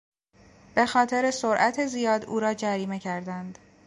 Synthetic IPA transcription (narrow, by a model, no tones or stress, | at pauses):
b̥e̞xɒːt̪ʰe̞ɾesoɾʔæt̪ʰe̞zijɒːd̪uːɾɒːd͡ʒæɾiːme̞cʰæɾd̪ænd̪̥